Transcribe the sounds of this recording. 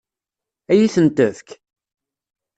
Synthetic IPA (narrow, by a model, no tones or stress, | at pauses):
æjiθənt̪əðk